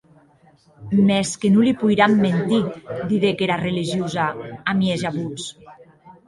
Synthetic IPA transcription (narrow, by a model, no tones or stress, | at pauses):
mɛskenulipujɾamːent̪id̪iðekeɾareliʒiuzaamiezaβus